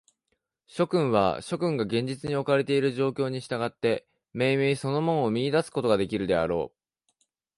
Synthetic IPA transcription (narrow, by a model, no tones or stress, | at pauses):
ɕo̞kɯ̟̃ɰ̃β̞a̰ɕo̞kɯ̟̃ŋɡaɡẽɲ̟d͡ʑit͡sɨɲ̟io̞kaɾe̞t̪e̞iɾɯ̟ʑo̞ːkʲo̞ːɲ̟iɕi̥t̪aɡat̪ːe̞ | me̞ːmeːso̞no̞mõ̞nomʲiɲid̪asɨ̥ko̞t̪o̞ɡad̪e̞kʲiɾɯ̟d̪e̞a̰ɾo̞ː